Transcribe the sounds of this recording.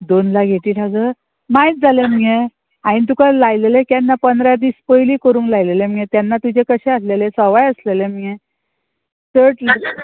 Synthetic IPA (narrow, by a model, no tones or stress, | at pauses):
d̪onlaɡʱeʈ̪iːʈʰad͡zə | mait̪̚d͡zaleme | aɽ̃ĩt̪̬ukalajlelekjanːapənd̪ɾad̪iːspəjliːkəɾuːnlajlelemjẽt̪janːat̪ud͡ʑekəɕɛ̃aslelesɔʋajəslelemje | t̪əɾʈli